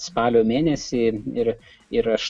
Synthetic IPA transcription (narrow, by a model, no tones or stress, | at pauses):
spɑːlʲoːmʲeːnʲɛsʲɪɪɾ | ɪɾɐʃ